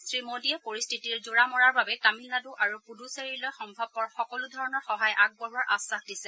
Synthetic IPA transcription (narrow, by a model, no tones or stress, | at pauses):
sɹimodiɛpoɹistʰitiɹzuɹamɔɹaɹbabɛtamilnaduʔaɹupudʱuseɹilɔjxɔmbʱɔb̚pːɔɹxɔkɔludʱɔɹɔnɔɹxɔɦajʔaɡ̚bɔɦuaɹʔasːaxdisɛ